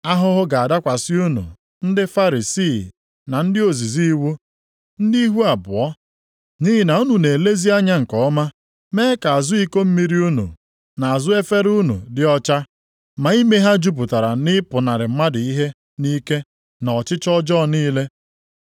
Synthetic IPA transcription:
a˦ɦʊ˦ɦʊ˦ɡa˨a˨da˦kʷa˨sɪ˦u˦nṵ˨ | n̩˦dɪ˦fa˦ɾi˨siː˦˨ | na˨n̩˦dɪ˦o˨zi˨zi˦wu˦ | n̩˦di˦ɦu˦a˨bʊ˨ɔ˦ | ɲi˦ɦɪ˦na˨u˦nu˨ne˨le˦zi˦a˦ɲa˦ŋ̩˨kɔ˨˦ma˦ | meː˦e˦ka˨a˨zʊ˦i˦ko˦m̩˦mi˦ɾi˦u˦nṵ˨ | na˨a˨zʊ˦e˦fe˦ɾu˦nṵ˨dɪ˦ɔ˦t͡ʃa˦ | ma˨i˦me˦ɦa˦d͡ʒu˦p̬ʊ˨ta˨ɾa˨nɪ˦pʊ˨na˨ɾɪ˨m̩˦ma˦dʊ˨i˦ɦe˦ | ni˦ke˦ | nɔ˨t͡ʃɪ˦t͡ʃɔ˦d͡ʒɔ˦˨niː˦le˦

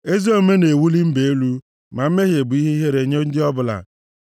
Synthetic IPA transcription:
e˦zi˦o˨me˦ne˨wu˦li˦m̩˦be˨e˦lu˦ | ma˨m̩˦me˦ɦje˨bʊ˨i˦ɦe˦i˦ɦe˦ɾe˨ɲo˦n̩˦dɪ˦ɔ˦bʊ˨la̰˨

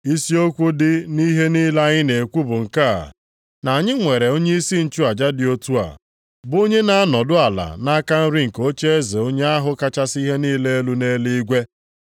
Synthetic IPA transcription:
i˦si˦o˦kʷu˦dɪ˦ni˦ɦe˦ni˦la˦ɲɪ˦ne˨kʷu˦bʊ˨ŋ̩˨ka˦˨a̰˨ | na˨ɲɪ˦ŋʷe˨ɾe˨o˦ɲe˦i˦si˦n̩˨t͡ʃu˦a˨d͡ʒa˦dɪ˨o˦tu˦a̰˨ | bo˦ɲe˦na˦a˦nɔ˨dʊ˦a˨la̰˨na˦ka˦n̩˦ɾɪ˦ŋ̩˨ko˦t͡ʃe˦e˦ze˨o˦ɲe˦a˦ɦʊ˦ka˦t͡ʃa˦si˦ɦe˦niː˦le˦e˦lu˦ne˦li˦ɡʷe˦

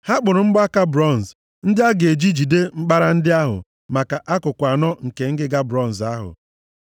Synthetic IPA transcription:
ha˦k͡pʊ˨ɾʊ˨ŋ͡m̩˦ɡ͡bʊ˦a˦ka˦bɾɔ˦˨n˨z | n̩˦dɪ˦a˦ɡe˨d͡ʒi˦d͡ʒi˨de˦ŋ͡m̩˦k͡pa˦ɾa˦n̩˦dɪ˦a˦ɦʊ̰˨ | ma˨ka˨ʔa˦kʊ˨kʷa˨nɔ˦ŋ̩˨ke˨ŋ̩˦ɡɪ˦ɡa˦bɾɔ˦˨n̩˨za˦ɦʊ̰˨

